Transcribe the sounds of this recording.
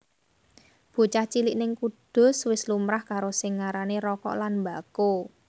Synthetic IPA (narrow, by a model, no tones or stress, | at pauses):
b̥o̤t͡ʃaht͡ʃiliʔnɪŋkud̥ʊ̤swɪslumɾahkaɾosɪŋːaɾaneɾɔkɔ̰ʔlanmba̤ko